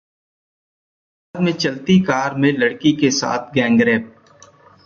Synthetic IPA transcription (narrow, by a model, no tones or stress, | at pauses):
aːd̪mẽt͡ʃɐlt̪ikaːɾmẽlɐɽkikesa̰ːt̪ʰɡɛ̃ːŋɡɾeːp̚